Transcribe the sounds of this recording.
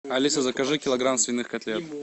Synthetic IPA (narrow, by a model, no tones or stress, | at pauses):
ɐlʲisɐzɐkɐʐɨkʲɪlˠɐɡɾamsvʲɪnːɨxkɐt̪ʲlʲet̪